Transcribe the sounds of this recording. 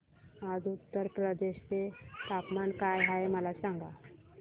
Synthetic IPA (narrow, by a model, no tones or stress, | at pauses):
ad͡zut̪ːəɾpɾəd̪eɕt͡set̪apmankajɦaeməlasãŋɡa